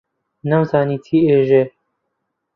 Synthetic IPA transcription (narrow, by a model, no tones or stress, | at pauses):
nɐmzaːniːt̪ʰiːeːʒe